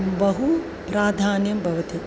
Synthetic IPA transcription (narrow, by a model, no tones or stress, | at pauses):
bɐɦu | pɾaːd̪ʱaːnjɐmbʱɐʋɐt̪i